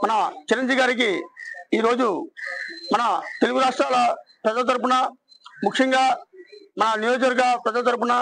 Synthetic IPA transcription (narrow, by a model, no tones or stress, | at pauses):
mɐnɐt͡ʃiɾɐɲd͡ʒiːʋiɡaːɾik̬iiːɾoːd͡ʒu | mɐnɐt̪eluɡuɾaːʂʈɾaːlɐpɾɐd͡ʒɐlɐt̪ɐɾp̬unɐ | mukʂɐŋɡaːmɐnɐnijoːd͡ʒɐɾɡɐpɾɐd͡ʒɐlɐt̪ɐɾp̬unɐ